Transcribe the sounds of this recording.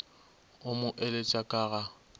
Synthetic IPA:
ʊmʊʔelet͡ʃʼakʼaːɣa

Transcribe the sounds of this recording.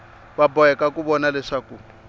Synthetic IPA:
babɔɛkʼakuβɔnalɛʂaːku

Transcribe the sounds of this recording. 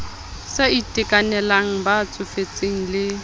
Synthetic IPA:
seitʼɪkʼanɛlaŋ̩bat͡sʼʊfet͡sʼeŋ̩lɪ

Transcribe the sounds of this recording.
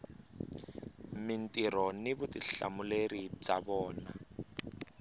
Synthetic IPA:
mintʼiɾɔniβutiɬa̰mulerib͡ʐaβɔːna

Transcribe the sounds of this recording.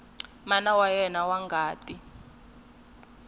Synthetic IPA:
manawajɛnawaŋɡʱaːtʼi

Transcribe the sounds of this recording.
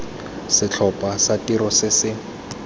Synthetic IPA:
sɪt͡ɬʰɔpʼasatiɾɔsɪsɪ

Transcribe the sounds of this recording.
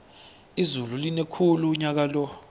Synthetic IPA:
izululinekʰuluɲak̬alɔ

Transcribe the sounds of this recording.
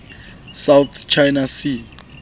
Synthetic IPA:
sawt̪ʰt͡ʃʰajnasi

